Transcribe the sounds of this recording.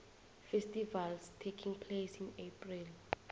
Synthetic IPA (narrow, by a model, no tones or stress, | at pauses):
fɛstivalstʰekʰiŋpʰlesinepʰril